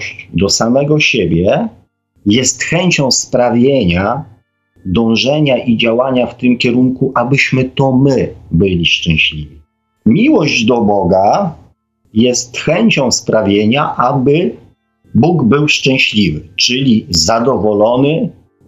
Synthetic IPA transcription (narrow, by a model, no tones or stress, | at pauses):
ɕt͡ɕd̪ɔsamɛɡɔɕebʲjɛ | jɛst̪xɛɲʲt͡ɕɔ̃w̃spɾavʲjeɲa | d̪ɔ̃w̃ʐɛɲaʔid͡ʑawaɲaft̪ɘmkʲɛɾuŋkuʔabɘɕmɘt̪ɔmɘbɘlʲiʂt͡ʂɛ̃w̃ɕlʲivʲi | mʲiwɔʑd͡ʑd̪ɔbɔɡa | jɛst̪xɛɲt͡ɕɔ̃w̃spɾavʲjeɲaʔabɘ | buɡbɘwʂt͡ʂɛ̃w̃ɕlʲivɘt͡ʂɘlʲizad̪ɔvɔlɔnɘ